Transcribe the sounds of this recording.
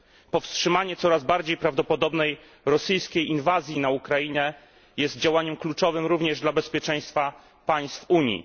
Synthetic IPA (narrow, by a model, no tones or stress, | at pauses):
pɔfstʂɘmaɲɛt̪sɔɾazbaɾd͡ʑejpɾavd̪ɔpɔd̪ɔbnɛj | ɾɔsɨjskʲejinvazʲjinaukɾajiɲɛ | jɛst̪̚d͡ʑawaɲɛmklut͡ʂɔvɘmɾuvɲɛʐd̪labɛspʲjɛt͡ʂɛj̃st̪fa | paj̃st̪fuɲjḭ